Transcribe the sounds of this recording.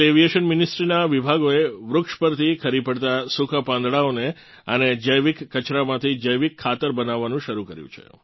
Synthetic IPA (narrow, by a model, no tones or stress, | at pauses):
eʋijeʃənmɪnisʈɾinaʋibʱaɡoeʋɾʊkʃpəɾt̪ʰikʰəɾipəɽt̪asukʰapãnd̪ɽaone | əned͡ʒəjʋikːət͡ʃɾamãt̪ʰid͡ʒəjʋikʰːat̪əɾbənaʋːanũʃəɾukəɾjṵ̃t͡ʃʰḛ